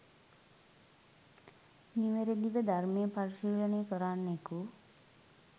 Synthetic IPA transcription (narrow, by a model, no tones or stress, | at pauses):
niʋeɾed̪iʋəd̪ʱarmejəpaɾiʃiːlənejkəɾaːnːeku